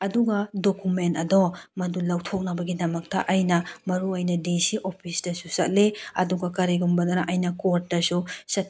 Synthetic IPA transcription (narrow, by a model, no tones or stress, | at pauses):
ɐduɡɐdokumentɐdɔmɐdulɐwtʰok̚nɐbɐɡidɐmɐk̚tɐ̰ʔɐjnɐmɐɾuɐjnɐdesiʔopʰisdɐsusɐt̚leɐ̰duɡɐkɐɾiɡumbɐdɐɾaʔɐjnɐkoɾt̚dɐsusɐt